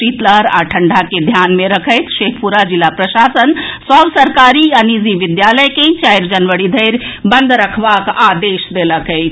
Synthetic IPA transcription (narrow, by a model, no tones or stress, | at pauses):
it̪ləɦɾa̰ʈʰəɳɖʱaked̪ʱjanmeɾəkʰəjt̪ʃekʰpuɾad͡ʒilːapɾəʃasənsəbsəɾkaɾiəniziʋid̪jaləjkẽt͡ʃajɾd͡ʒənʋəɽid̪ʱəjɾbənd̪ʱɾəkʰbakad̪eʃd̪eləkəɪt͡ʃʰ